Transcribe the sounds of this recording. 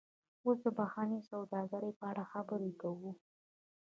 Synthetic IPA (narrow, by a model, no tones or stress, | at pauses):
os̬d̪əbaxɑnesawd̪ɑɡaɾepəaɽaxabəɾekawu